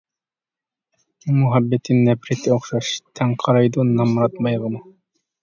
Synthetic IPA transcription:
umuɦɑbːɛt̪ʰɪnːɛpɾɪt̪ʰɪoχʃɑʃt̪ʰɛŋqʰɑɾɑjd̪unɑmɾɑt̪mɑjʁənɨ

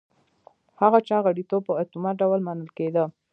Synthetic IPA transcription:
haɣat͡ʃɑɣaɽit̪ob̚pəat̪umaɖawəlmɑnəlked̪ə

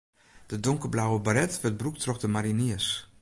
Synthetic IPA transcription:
d̥ədʊŋkəblawəbaɾɛtvət̚bruktrɔkdəmaɾiniəs

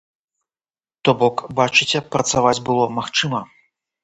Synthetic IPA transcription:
t̪ɔbɔkbat͡ʂɨt͡sʲɛpɾɐt̪savad͡zʲbɨlˠɔmaxt͡ʂɨmɐ

